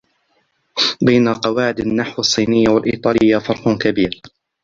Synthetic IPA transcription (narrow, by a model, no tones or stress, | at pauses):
bajnaqɑwaːʕɪd̪anːaħwɑsˤːiːnɪjːawalʔḭːt̪ˤɑːlɪjːafɑɾˤħʊkabiːɾ